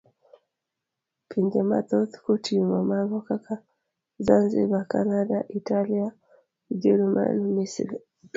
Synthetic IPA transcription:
pʰiɲd͡ʒama̰t̪ɔt̪kutʰiumamaɡɔkaka | zanzḭbakanadaʔitalija | d͡ʒɛɾuma̰nmisḭli

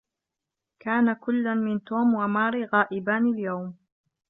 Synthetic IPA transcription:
kaːnakʊlːanmɪnt̪oːmwamaːɾiɣaːʔɪbaːnɪljawm

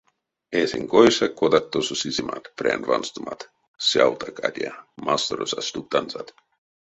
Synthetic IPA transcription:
eseŋkojsakod̪att̪ːososizima̰t̪pɾḛnva̰nst̪umat̪ | sjawt̪akad̪ʲiamast̪oɾosasʲt̪uk̚t̪anzat̪

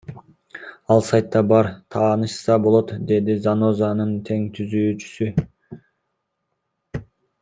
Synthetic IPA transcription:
ɑlˠsɑjt̪ːɑbɑɾt̪ʰɑːnɯʃsɑbolˠo̞t̪d̪e̞d̪izano̞zɑnɯnt̪ʰe̞ŋt̪ʰyzyːt͡ʃy̥sy

